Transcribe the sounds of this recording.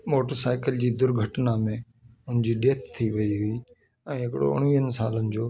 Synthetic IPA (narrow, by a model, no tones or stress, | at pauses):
moːʈəɾsaːɪkəld͡ʑiːd̪ʊɾɡʱəʈnamẽ | ʊnd͡ʑiːɗeːt̪t̪ʰːiʋɐiɦʊiː | ɛ̃ːɦɪkɪɽo̰ʊ̰ɽ̃ʋiːɦənɪ̆saːlənɪ̆d͡ʑoː